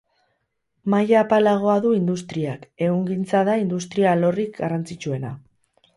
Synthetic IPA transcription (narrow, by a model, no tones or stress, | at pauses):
majaːpalaɣ̞o̞aðuind̪ust̪ɾiake̞ɣuŋɡint͡saðaind̪ust̪ɾialo̞rikɡarant͡sit͡ʃue̞na